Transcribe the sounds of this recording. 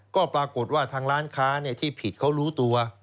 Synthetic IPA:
kɔː˥˩pɾaː˧ko˨˩t̪̚waː˥˩t̪ʰaː˧ŋɾaː˦˥nkʰaː˦˥ni˥˩ɐt̪ʰiː˥˩pʰi˨˩t̪̚kʰa˦˥wɾuː˦˥t̪u˧ɐ

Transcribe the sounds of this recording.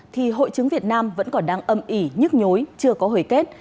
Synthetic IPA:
t̪ʰi˨˩ɦo̰˧˨jt͡ɕɨ˨˦ŋvi˨˩ət̚naː˧mvə̰˧˥nkɔ˨˩nɗaː˧ŋʔə˨˩mʔi˧˩ɲɨ˦˥k̚ɲo˨˦jt͡ɕɨ˧əkɔ˨˦ɦəː˧˩jke˦˥t̚

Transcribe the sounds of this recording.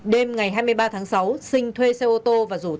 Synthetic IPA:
ɗe˧mŋa˨˩jɦaː˧jmɨ˧əjɓaː˧t̪ʰaː˨˦ŋsa˨˦wsï˧ŋ̟t̪ʰwe˧se˧ʔo˧t̪o˧vaː˨˩zṵ˧˩

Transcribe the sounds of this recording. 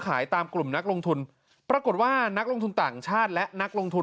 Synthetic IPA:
kʰaː˩˦jt̪aː˧mklu˨˩mna˦˥k̚lo˧ŋt̪ʰu˧n | pɾa˧ko˨˩t̪̚waː˥˩na˦˥k̚lo˧ŋt̪ʰu˧nt̪aː˨˩ŋt͡ɕʰaː˥˩t̪̚lɛ˦˥ʔna˦˥k̚lo˧ŋt̪ʰu˧

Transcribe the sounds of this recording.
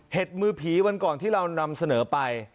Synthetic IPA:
he˨˩t̪̚mɯː˧pʰiː˩˦wa˧nkɔː˨˩nt̪ʰiː˥˩ɾa˧wna˧msa˧nɤː˩˦pa˧j

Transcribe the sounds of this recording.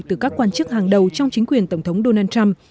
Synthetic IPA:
t̪ɨ˨˩kaː˦˥kːwaː˧nt͡ɕɨ˦˥k̚haː˨˩ŋɗə˨˩wt͡ɕɔ˧wŋ͡mt͡ɕï˨˦kwi˨˩ənt̪ə˧˩wŋ͡mt̪ʰə˨˦wŋ͡mɗo˧naː˧nt͡ɕa˧m

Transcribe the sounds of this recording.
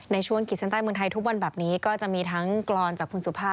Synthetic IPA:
na˧jt͡ɕʰu˥˩əŋki˨˩t̪̚sa˧˥nt̪aː˥˩jm˧əŋt̪ʰa˧jt̪ʰu˦˥k̚wa˧nbɛː˨˩p̚niː˦˥kɔː˥˩t͡ɕa˨˩ʔmiː˧t̪ʰa˦˥ŋklɔː˧nt͡ɕaː˨˩k̚ʰu˧nsu˨˩˦pʰaː˥˩

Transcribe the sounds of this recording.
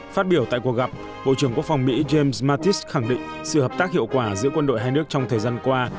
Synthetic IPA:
faː˦˥t̚ɓi˧˩əwt̪a̰ː˧˨jku˨˩ək̚ɣa˨˩p̚ | ɓo̰˧˨t͡ɕɨ˧˩əŋku˦˥ək̚fa˧wŋ͡mmḭ˧˥ze˧msmaː˧t̪i˦˥sxa˧˩ŋɗḭ̈˧˨ŋ̟ | sɨ̰˧˨həː˨˩p̚t̪aː˦˥k̚hḭ˧˨wkwaː˧˩zɨ̰˧˥əkwə˧nɗo̰˧˨jɦaː˧jnɨ˦˥ək̚t͡ɕɔ˧wŋ͡mt̪ʰəː˨˩jzaː˧nkwaː˧

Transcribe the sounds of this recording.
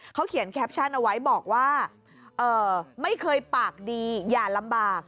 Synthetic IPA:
kʰa˦˥wkʰi˩˦ənkʰɛː˦˥p̚t͡ɕʰa˥˩nʔa˧wa˦˥jbɔː˨˩k̚waː˥˩ | ʔɤː˨˩ma˥˩jkʰɤː˧jpaː˨˩k̚diː˧jaː˨˩la˧mbaː˨˩k̚

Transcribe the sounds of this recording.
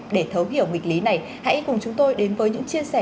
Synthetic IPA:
ɗe˧˩t̪ʰə˨˦wɦḭ˧˩˨əwŋi˨˩k̟̚li˨˦na˨˩j | ha̰˧˥jkʊ˨˩ŋ͡mt͡ɕʊ˨˦ŋ͡mt̪o˧jɗe˨˦nvəː˨˦jɲɨ̰˧˥ŋt͡ɕi˧əsɛ˧˩

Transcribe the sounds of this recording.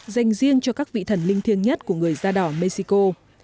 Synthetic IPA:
za˨˩jŋ̟zi˧əŋt͡ɕɔ˧kaː˦˥k̚vḭ˧˨t̪ʰə˧˩nlï˧ŋt̪ʰi˧əŋɲə˦˥t̚ku˧˩əŋɨ˨˩əjzaː˧ɗɔ˨˩wme˧si˧ko˧

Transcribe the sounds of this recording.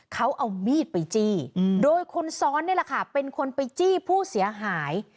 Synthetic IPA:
kʰa˦˥wʔa˧wmiː˥˩t̪̚pa˧jt͡ɕiː˥˩doː˧jkʰo˧nsɔː˦˥nːi˥˩la˨˩kʰa˥˩pe˧nkʰo˧npa˧jt͡ɕiː˥˩pʰuː˥˩si˨˩˦ɐɦaː˩˦j

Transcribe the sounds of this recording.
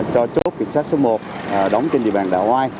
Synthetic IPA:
t͡ɕɔ˧t͡ɕo˦˥t̚kï˨˧˩ŋsaː˦˥t̚so˨˦mo˨˩t̚ː | ɗə˨˦wŋ͡mt͡ɕe˧nɗḭ˧əɓa̰ː˧˨nɗa̰ː˧˩ʔhwaː˧j

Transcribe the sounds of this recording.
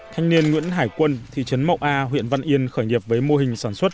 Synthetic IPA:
t̪ʰa˧jŋ̟ni˧ənŋwḭ˧˥nɦaː˧˩jkwə˧nt̪ʰḭ˧˨t͡ɕə˨˦nma̰˧˩wʔaː˧ɦwḭ˧˨ənva̰˧nʔi˧ənxəː˧˩jɗi˨˩əp̚vəː˨˦jmo˧ɦï˨˩ŋ̟saː˧˩nswə˦˥t̚

